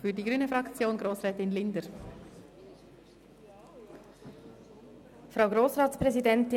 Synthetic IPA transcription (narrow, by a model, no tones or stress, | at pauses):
fyːɐdiːɡɾyːnəfʁɑkt͡sjoːnɡʁoːsʁɛːtɪnlɪndəɾ | fɾʁaʊɡɾoːsʁaːtspʁɛzidɛntɪ